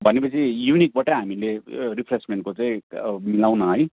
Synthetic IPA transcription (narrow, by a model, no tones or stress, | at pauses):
bʱʌnepʌt͡sʰijunik̚bʌʈaɦamileɾipʰresmenʈ̚kot͡saĩmilawnʌɦʌj